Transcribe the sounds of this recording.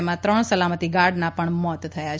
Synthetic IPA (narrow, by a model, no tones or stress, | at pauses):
mãt̪ɾəɳsəlamət̪iɡaɖnapəɳmɔt̪t̪ʰːəjat͡ʃ